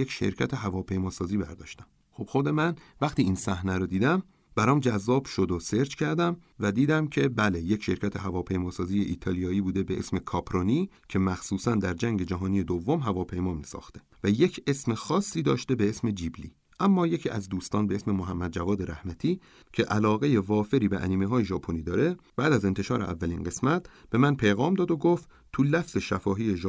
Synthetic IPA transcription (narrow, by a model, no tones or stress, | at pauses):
ekʃe̞̰ɾcʰæt̪ʰeɦævɒːpʰe̞jmɒːsɒːziːbæ̰ɾd̪ɒ̰ːʃt̪æm | xob̥xod̪e̞mænvæxt̪iːinsæhnæɾod̪iːd̪æm | b̥æɾɒːmd͡ʒæzːɒːb̥ʃo̞d̪ose̞ɾd͡ʒkʰæɾd̪æmvæd̪iːd̪æmcʰe̞bæleje̞cʃe̞ɾcʰʲæt̪ʰe̞ɦævɒːpʰe̞jmɒːsɒːzijeʔiːt̪ʰɒːlijɒːiːbuːd̪ebeʔesme̞kʰɒːpʰɾoniː | cʰe̞mæxsuːsænd̪æɾd͡ʒæŋɟe̞d͡ʒæɦɒːnije̞d̪ovːomɦævɒːpʰe̞jmɒːmisɒ̰ːxt̪e̞væje̞cʰe̞smexɒːsːiːd̪ɒːʃt̪e̞beesme̞d͡ʒiːblḭː | ʔæmːɒːje̞cʰiːʔæzd̪uːst̪ɒːnbee̞sme̞moɦæmːæd̪̚d͡ʒævɒːd̪e̞ɾæhmæt̪ʰiː | cʰe̞ʔælɒːɣeje̞vɒːfe̞ɾiːbeʔæ̰niːmeɦɒːjeʒɒːpʰoniːd̪ɒːɾe̞b̥æːd̪æze̞nt̪ʰe̞ʃɒːɾeʔævːæliːnɡe̞smæt̪ʰb̥e̞mænpʰe̞jɣɒːmd̪ɒːd̪oɡoft̪ | t̪ʰulæfz̥e̞ʃæfɒːɦiːjeʒ